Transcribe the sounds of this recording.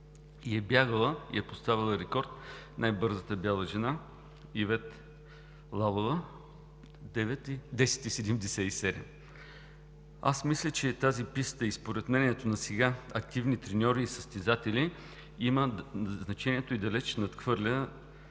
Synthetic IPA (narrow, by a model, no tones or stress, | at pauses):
iɛbjaɡəlˠəḭɛpost̪avilˠəɾɛkɔɾt̪najbɤɾzət̪əbʲjalˠəʒɛna | ivɛt̪ | lˠalˠovə | d̪ɛvɛt̪d̪ɛsɛ̥t̪isɛd̪ɛmd̪ɛsɛisɛd̪ɛ̰m | a̰smislʲət͡ʃɛt̪azipist̪əispoɾɛt̪mɛnʲiɛt̪onɐsɛɡaɐkt̪ivnit̪ɾɛnʲɔɾiːsəst̪ɛzat̪ɛlʲi | iməznɐt͡ʃɛniɛt̪oid̪ɐlɛt͡ʃnɐt̪xvɤɾlʲə